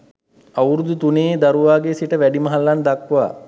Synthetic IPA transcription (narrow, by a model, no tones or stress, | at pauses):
awɾud̪ut̪uneːd̪aɾuʋaːɡesiʈəʋæɖiməɦalːand̪akʋa̰ː